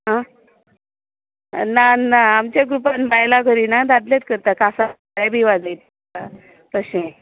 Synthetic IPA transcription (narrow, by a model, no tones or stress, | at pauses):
ɦã | nanːaːmt͡ɕaɡɾupanbajlaɡʱəɾinad̪ad̪let̪̚kəɾt̪akasa | abiʋad͡zajt̪ | a | t̪əɕẽ